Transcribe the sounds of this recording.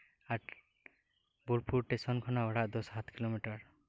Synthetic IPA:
aʈ | buɽpuɾʈesɔnkʰɔnaɔɽaʔd̪ɔsɦat̪kilomiʈaɾ

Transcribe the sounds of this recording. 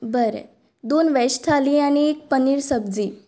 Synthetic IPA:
bəɾɛ̰ | d̪onʋɛst̪ʰaliaɽ̃iek̚pəniːɾsəbd͡ziː

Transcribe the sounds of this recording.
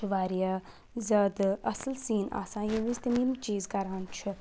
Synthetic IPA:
ʋaːɾija | zɐd̪ɐsəlsiːna̰ːsãːjeʋist̪ɐmĩmt͡ʃiːzkɐɾãːnt͡ʃʰɪ

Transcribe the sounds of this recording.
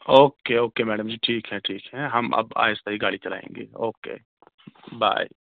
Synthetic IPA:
oːkeoːkemɛːɖəmd͡ʒiʈʰiːkɦɛ̃ʈʰiːkɦɛɦɐmɐ̰ba̰ːɪst̪aɦiɡaːɽit͡ʃɐla̰ːḛ̃ːŋɡḛːoːkḛː | ba̰ːi

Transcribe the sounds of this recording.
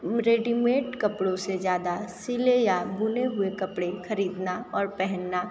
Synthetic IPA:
ɾeːɖimeːʈkɐpɽõsezjaːd̪asɪlejabʱuːneɦʊekɐpɽexɐɾiːd̪naɔːɾpɛɦɛnːa

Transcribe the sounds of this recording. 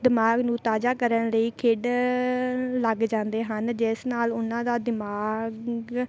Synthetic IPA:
d̪ɪmaːɡnũːt̪aːd͡ʒaːkəɾənləiːkʰeːɖ | ləɡd͡ʒãːnd̪eːɦənd͡ʒɪsnaːlʊnãːd̪aːd̪ɪmaːɡ

